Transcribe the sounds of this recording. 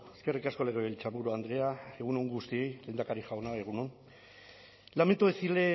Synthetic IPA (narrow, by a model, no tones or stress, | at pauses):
eske̞rikasko̞le̞ɣ̞eβelt͡ʃamuɾoand̪ɾe̞ae̞ɣ̞uno̞ŋɡust̪ie̞jle̞ːnd̪akaɾiʝawnaeɣ̞uno̞n | lament̪uesile̞